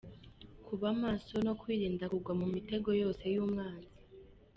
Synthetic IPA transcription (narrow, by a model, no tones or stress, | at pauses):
kuβamaːso̞no̞kwiːɾiːndakuɡwamumite̞ɡo̞jo̞ːse̞juːmŋaːzi